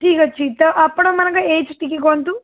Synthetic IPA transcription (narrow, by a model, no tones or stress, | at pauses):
ʈiːkɐt͡ʃːit̪ɐʔɐpːɐɽɐmːɐnɐkɐeːt͡ʃʈikikont̪u